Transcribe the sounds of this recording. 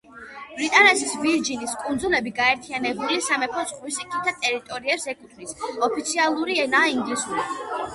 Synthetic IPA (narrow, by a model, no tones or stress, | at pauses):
b̥ɾit̪ʼanɛsisbiɾd͡ʒiniskʼund̪zulɛbiɡaɛɾt̪ʰianɛbulisamɛpʰɾɔsχwisikʰʼit̪ʰːat̪ʼɛɾit̪ʼɔɾiɛpsɛkʰut̪ʰχvisɔpʰit̪sʰialˠuɾiɛnaiŋɡlisuɾi